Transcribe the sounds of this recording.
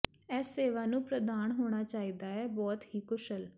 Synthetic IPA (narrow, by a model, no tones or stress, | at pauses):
ɛːsːeːʋaːnũːpɾəd̪aːnɦoːɽ̃aːt͡ʃaːiːd̪aːɛːbɔːt̪hiːkʊʃəl